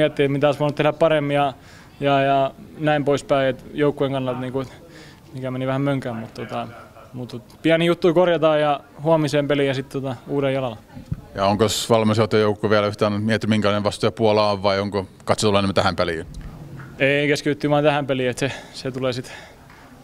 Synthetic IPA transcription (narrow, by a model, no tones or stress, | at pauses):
iet̪ːiet̪mit̪æsʋoɑnut̪ehɾæppɑremːiɑ | jɑjɑnæimpoispæiet̪joukːujeŋkɑnːɑlt̪niːŋkuet̪ | mikæmeniʋæhæmmøŋkæmmut̪t̪ot̪ɑ | mut̪ut̪piænijut̪ːuikorjɑt̪ɑːjɑ | huomiseːmpelijɑsit̪t̪ot̪ɑuːɾejjɑlɑljɑoŋkosʋɑlmɑsot̪ːojoukːoʋiælæyht̪ænmiet̪ːymiŋkælɑineʋɑst̪ojɑpuolɑːʋʋɑioŋkokɑt̪sot̪ulːenemːæt̪æhæmpelḭn | eikeskyt̪yt̪ːyʋɑːnt̪æhæmpeliet̪seset̪uleːˑsit̪